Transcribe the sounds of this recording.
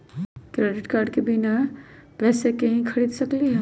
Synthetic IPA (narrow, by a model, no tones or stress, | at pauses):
kɾeɖiʈkaːɾɖkebinapɛsekeɦĩkʰəɽid̪səkliɦ